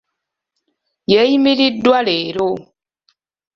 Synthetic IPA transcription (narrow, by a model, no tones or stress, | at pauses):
jɛjimiɾidwaleɾo